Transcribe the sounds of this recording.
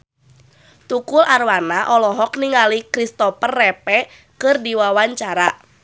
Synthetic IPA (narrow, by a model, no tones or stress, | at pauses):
t̪ukʊlarwanaʔɔlɔɦɔkniŋalikɾist̪ɔpərːɛpɛ | kɨrdiwawaɲt͡ʃaɾa